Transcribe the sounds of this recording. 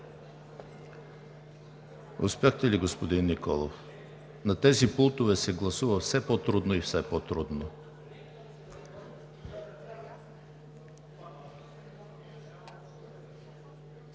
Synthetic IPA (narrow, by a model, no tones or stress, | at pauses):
ʊ̰spjaxt̪ɛliɡospod̪inːikɔlˠo̰f | nɐt̪ɛzipulˠt̪ovɛsɛɡlˠɐsuvɐfsɛpɔt̪ɾud̪noifsɛpot̪ɾud̪no